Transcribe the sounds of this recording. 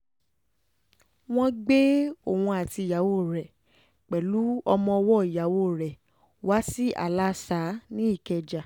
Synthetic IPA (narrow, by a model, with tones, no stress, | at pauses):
w̃ɔ̃˦ɡ͡be˦o˨wũ˧a˨ti˧˨ja˨˦wo˦˨ɾɛ˨ | k͡pɛ˨lu˨˦ɔ˧mɔ̃˧ɔ˧wɔ˦i˨ja˨˦wo˦˨ɾɛ˨ | wa˦si˦ʔa̰˨la˦sa˨˦nĩ˦i˦˨kɛ˧d͡ʒa˨